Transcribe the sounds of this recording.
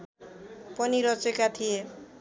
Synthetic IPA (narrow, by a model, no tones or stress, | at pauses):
pʌniɾʌt͡sekat̪ʰije